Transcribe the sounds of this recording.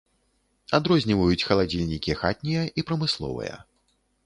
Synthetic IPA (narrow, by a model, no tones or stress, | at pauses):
ad̪ɾɔzʲnʲivɐjut͡sʲxɐlˠad͡zʲilʲnʲikʲixat̪̚ʲnʲijɐʔipɾɐmɨslˠɔ̰vɐ̰jɐ̰